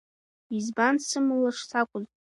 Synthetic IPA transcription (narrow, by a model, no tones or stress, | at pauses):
izbansɨmɨlaʂsʰakʷʼʊzʼ